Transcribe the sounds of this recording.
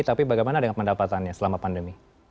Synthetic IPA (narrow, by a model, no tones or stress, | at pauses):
t̪apibaɡajmanadəŋanpəndapat̪anɲasəlamapandəmi